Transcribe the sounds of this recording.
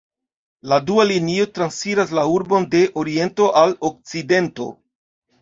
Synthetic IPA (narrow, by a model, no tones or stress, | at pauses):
ladualinio̞tɾansfiɾaslauɾbo̞nde̞ʔo̞ɾie̞nto̞ʔalok̚t͡side̞nto̞̰